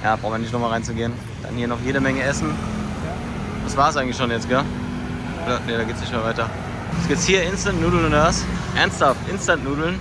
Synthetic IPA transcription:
ja̰ːbʁaʊnmɪnɪçtnɔmalʁaɪnt͡suɡeːən | d̥a̰nhiːɐnɔχjeːɾəmɛŋəɛsn̩ | a | d̥asv̥aːʁsʔaɪɡŋ̩tlɪçʃoːnjɛt͡stɡ̥ɛ | olɐneːɾaːɡeːtsnɪçtmeːɐvaɪtɐ | ɛsɡ̥ɪp̚t͡shiːɐɪnstantnuːdl̩nʊntvasʔɛɐnsthaftʔɪnstantnuːdl̩n

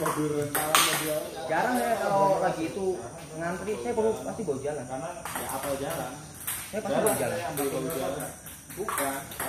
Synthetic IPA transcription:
babirt͡ʃaɾanabia | d͡ʒaɾaŋjakalolaɡiːt̪u | ŋant̪ɾisajapəupast̪iboud͡ʒalananaja̰apad͡ʒaɾaŋ | sajapasibad͡ʒalanaud͡ʒalaa | buka

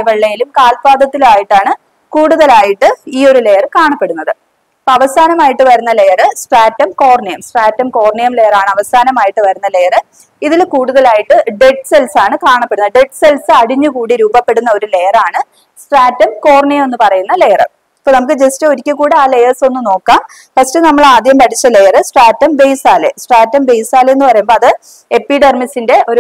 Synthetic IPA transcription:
ʋɐɭːɐjilumkaːlpaːd̪ɐt̪ːilumaːjiʈːaːɳɨ | kuːɽuðɐlaːjiʈːɨiːo̞ɾule̞jɐrɨkaːɳɐpːe̞ɽunːɐðɨ | ipːoɐʋɐsaːnɐmaːjiʈːɨʋɐɾunːɐle̞jɐrɨsʈraːtːɐmko̞ːrɳijɐmsʈraːtːɐmko̞ːrɳijɐmle̞jɐraːɳɨɐʋɐsaːnɐmaːjiʈːɨʋɐɾunːɐlejɐrɨ | iðilkuːɽuðɐlaːjiʈːɨɖe̞ʈːɨ̥se̞lsaːɳɨkaːɳɐpːe̞ɽunːɐɖe̞ʈːse̞lsɨɐɽiɲːukuːɽiɾuːbɐpːe̞ɽunːɐo̞ɾule̞jɐraːɳɨ | sʈraːtːɐmko̞ːrɳijɐme̞nːɨpɐrɐjunːɐle̞jɐrɐ̰ | ipːonɐmukːɨd͡ʑestɨo̞ɾikʲːɨkuːɽiaːle̞jɐrso̞nːɨno̞ːkːaːm | pɐstenɐmːɐɭaːd̪ʱjɐmpɐʈʰit͡ɕːɐle̞jɐrɨsʈraːtːɐmbejsaːle̞̰sʈraːtːɐmbe̞jsaːleenːɨpɐrɐjumboɭɐðɨ | e̞pːiɖɐrmisinde̞ʔo̞ɾu

